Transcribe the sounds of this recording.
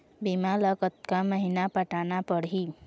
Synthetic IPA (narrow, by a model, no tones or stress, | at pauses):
bimaləkət̪kaməɦinapəʈanapəɽɦi